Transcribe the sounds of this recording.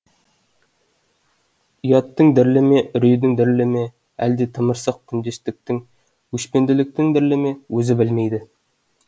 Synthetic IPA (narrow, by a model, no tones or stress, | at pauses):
ijɑt̪ːəŋd̪ɪɾlɪmeʔʏɾɵjd̪ɪŋd̪ɪɾlɪme | æ̰ld̪et̪ʰə̆məɾsɑq̚k̪ʰʏnd̪est̪ɪk̚t̪ɪŋ | wɵʃpe̞nd̪ɪlɪk̚t̪ɪŋd̪ɪɾlɪme̞wɵzɪbɪlme̞jd̪ɪ